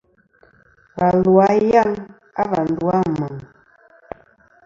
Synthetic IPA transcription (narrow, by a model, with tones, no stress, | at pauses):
va˨lwa˨˦ja˦˨ŋ | a˦βa˨n̩˨dwa˦ma˨ŋ